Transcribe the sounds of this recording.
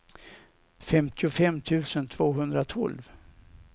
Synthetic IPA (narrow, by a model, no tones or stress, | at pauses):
fɛmt̪ʰɪʊfɛmːt̪ʰʉ̟ːsənt̪ʰv̥oːɦɵnd̪ɾat̪ʰɔ̰lv